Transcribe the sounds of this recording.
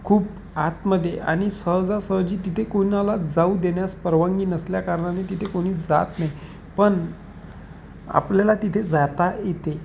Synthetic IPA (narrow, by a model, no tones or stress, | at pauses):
kʰuːp | at̪məd̪ʱːjeʔa̰ɽ̃isəɦd͡zasəɦd͡ʑiːt̪it̪ʰekonalad͡zaud̪eɳjaspəɾʋaŋɡiːnəsljakaɾɳanet̪it̪ʰekoɽ̃iːd͡za̰t̪naj | pəɳ | a̰pljalat̪it̪ʰed͡zat̪ajet̪e